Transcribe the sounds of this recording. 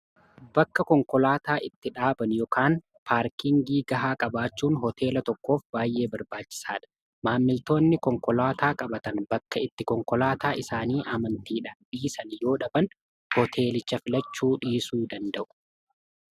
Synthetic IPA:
b̥ɐkːɐkɔŋkɔlaːt̪aːʔɪt̪ːɪᶑaːbɐnjɔkʰaːn | pʰaːɾkɪŋɡiːɡɐɦaːkʼɐbaːt͡ʃːuːnɦɔt̪ʰe̞ːlɐt̪ɔkːo̞ːfbaːjʔe̞ːbɐɾbaːt͡ʃːɪ̥saːᶑɐ̥ | maːmːɪlt̪o̞ːnːɪkɔŋkɔlaːt̪aːkʼɐbɐt̪ɐnbɐkːɐɪt̪ːɪkɔŋkɔlaːt̪aːʔɪsaːniːʔɐmɐnt̪iːᶑɐb̥iːsɐnjo̞ːᶑɐbɐn | hɔt̪ʰe̞ːlɪt͡ʃːɐfɪlɐt͡ʃːuːᶑiːsuːd̪ɐnd̪ɐʔʊ̥

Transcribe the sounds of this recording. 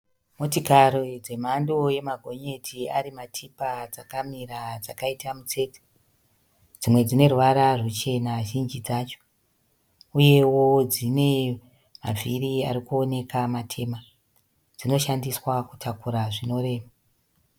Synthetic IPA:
motikaɾod͡ze̞mandoje̞maɡʱo̞ɲe̞tʰiaɾimatʰipad͡zakamiɾad͡zakaitamut͡se̞ːte̥ | d͡zimwe̞d͡zine̞ruʋaɾarut͡ʃe̞naʒind͡ʒid͡zat͡ʃo̥ | uje̞wo̞d͡zine | ma̰viriaɾikuo̞ne̞kamatʰe̞ːma | d͡zino̞ʃandiswaku̥tʰakuɾaʐino̞re̞ːʋa

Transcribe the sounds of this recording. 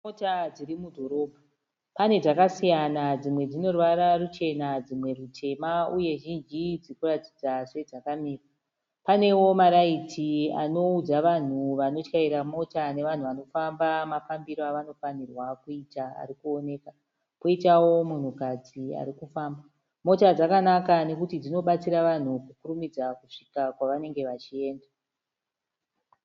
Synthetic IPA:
motad͡zirimudʱo̞ɾo̞bʱa | pane̞ʐakasijanad͡zimwe̞d͡zino̞rwaɾarut͡ʃe̞nad͡zimwe̞rutʰe̞mauje̞ʒind͡ʒid͡zikuratid͡zaʐe̞ʐakamiːra | pane̞wo̞maɾaitʰia̰no̞ud͡zaʋan̤uʋano̞t͡ʃkaiɾamo̞tane̞ʋan̤uʋano̞fambamafambiɾoaʋano̞fanirwakuitaa̰ɾikuo̞ne̞ːka | koitawo̞mun̤ukad͡zia̰ɾikufaːmba | mo̞tad͡zakanakane̞kutid͡zino̞ɓat͡siɾaʋan̤ukukurumid͡zakuʂikakwaʋane̞ŋɡe̞ʋat͡ʃie̞ːnda

